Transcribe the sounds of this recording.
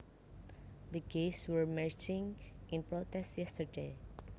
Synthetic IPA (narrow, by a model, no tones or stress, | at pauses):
dəɡeswəɹmɛɹt͡ʃɪ̃ŋʔɪ̃npɹot̪ɛstjɛstəɹde